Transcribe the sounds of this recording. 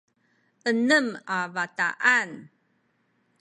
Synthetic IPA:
ʔənəmavata̰ʔan

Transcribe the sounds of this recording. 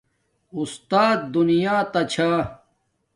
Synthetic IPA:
ust̪aːt̪̚d̪unijaːt̪ɐt͡ɕʰaː

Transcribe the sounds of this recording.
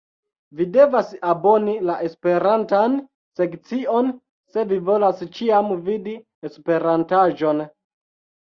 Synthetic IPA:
vide̞vasabo̞nilaʔe̞spe̞ɾantan | se̞kt͡sio̞n | se̞vivo̞last͡ʃiamvidi | espe̞ɾantaʒo̞n

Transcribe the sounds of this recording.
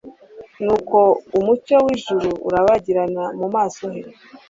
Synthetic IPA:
nuːko̞umut͡ʃowiʒuɾuṵɾaβaɟiɾanamumaːso̞ɦeɾ

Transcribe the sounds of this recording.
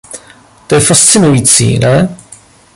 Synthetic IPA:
t̪ojɛfast͡sɪnujiːt͡sḭːnɛ

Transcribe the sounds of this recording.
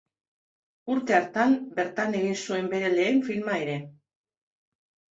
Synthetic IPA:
uɾt̪e̞aɾt̪ambe̞ɾt̪ane̞ɣinsue̞mbe̞ɾe̞le̞ːɱfilmae̞ɾe̞

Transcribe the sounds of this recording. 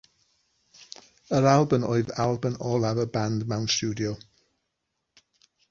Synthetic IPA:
əɾalˠbəmɔ̰ɨðalˠbənɔːlˠavəbandmawnstuːdiɔ

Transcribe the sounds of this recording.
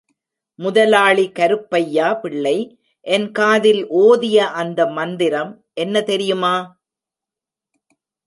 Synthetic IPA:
mʊðɐlaːɭikɐɾɯpːɐjːaːpɪɭːɐɪ | ʔɛnkaːðɪlʔoːðɪjɐʔɐnd̪ɐmɐnd̪ɪɾɐm | ʔɛnːɐt̪ɛɾɪjɯmaː

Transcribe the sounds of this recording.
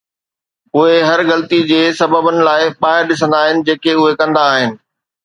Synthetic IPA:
ʊɦeɦɐɾɣɐlt̪id͡ʑeːsɐbəbənɪ̆laːɪpaːɪɾɗɪs̬ə̃nd̪aːɦɪnɪ̆d͡ʑeːkeʊɦekɐ̃nd̪aːɦɪnɪ̆

